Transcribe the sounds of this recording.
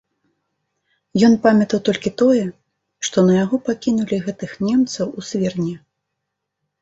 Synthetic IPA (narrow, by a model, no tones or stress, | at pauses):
jɔnpamʲɐt̪ɐwt̪ɔlʲkʲit̪ɔjɛ | ʂt̪ɔnɐjaɣɔpakʲinulʲiɣɛt̪ɨxnʲɛmt̪sɐwusʲvʲɛrnʲɛ